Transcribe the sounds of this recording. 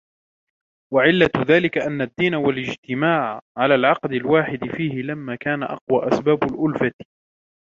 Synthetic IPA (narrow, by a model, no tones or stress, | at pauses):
waʕɪlːaðaːlɪkaʔanːad̪ːiːnawalɪd͡ʒt̪ɪmaːʕʕalaːlʕɑqd̪ɪlwaːħɪd̪ɪfiːhɪlamːaːkaːnaʔɑ̰qwaːʔasbaːbʊlʔʊlfat̪